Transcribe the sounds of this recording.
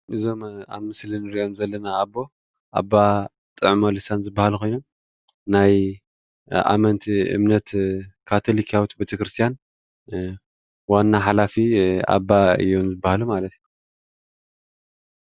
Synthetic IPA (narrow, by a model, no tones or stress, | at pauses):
ʔɨzo̞ma̰βmɨslinɨɾiʔo̞mzɐlːɐnaːbːo̞ | ʔa̰bːa | t̪ʼɨʕmolɨsanzɨbːahalukʰo̞jno̞m | naj | a̰mɐnt̪ʰɨ̰mnɐt̪kʰat̪ʰolikʰawit̪bet̪ʰɐkɾɨst̪ʰijan | wanːaħalafia̰bːaɨ̰jo̞mzɨbːahalumalɐt̪ju